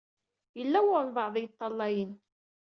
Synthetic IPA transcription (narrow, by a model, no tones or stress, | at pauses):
jəlːæwʊɾˤnvɑʕðˤjət̪ˤːɑlːɑjən